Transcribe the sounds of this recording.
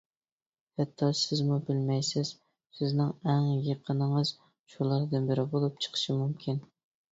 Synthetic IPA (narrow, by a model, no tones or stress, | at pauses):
hɛt̪ʰːɑsɪzmubɪlmɛjsɪz̥ | sɪznɪŋɛŋjeqʰənɨŋəz̥ | t͡ʃʰulˠɑɾd̪ɨnbɪɾɪbolˠup̚t͡ʃʰə̥qʰə̥ʃɨmumkʲʰin